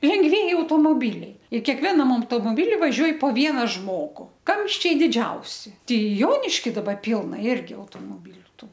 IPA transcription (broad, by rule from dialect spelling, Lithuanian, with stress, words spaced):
lʲɛŋɡˈʋʲiɛjɪ ɐʊtoːmoːˈbʲɪlʲɛɪ ɪr kʲɛkˈʋʲæːnɐm ɐʊtoːmoːˈbʲɪlʲɪ ʋɐˈʒʲuɔj poː ˈʋʲiɛnɐ ˈʒmoːɡʊ ˈkɐmʲʃʲt͡ʃʲɛɪ dʲɪˈd͡ʒʲɛʊsʲɪ ˈtʲɛɪ ˈjoːnʲɪʃʲkʲɪ dɐˈbɐ ˈpʲɪlˠnɐ ˈɪrʲɡʲɪ ɐʊtoːmoːˈbʲiːlʲʊ ˈtuː